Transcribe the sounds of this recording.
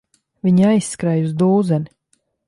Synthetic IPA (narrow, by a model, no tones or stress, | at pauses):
vʲiɲajsːkɾajuzd̪uːzɛni